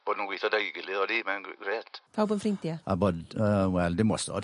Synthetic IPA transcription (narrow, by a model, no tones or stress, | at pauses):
b̥oːdnunwiθɔdaiɡɪlɨðɔdimɛnɡreːd̥pʰawbənfrɪntjaa̰boːdəwɛlˠdɪmwɔstɔ̰d̥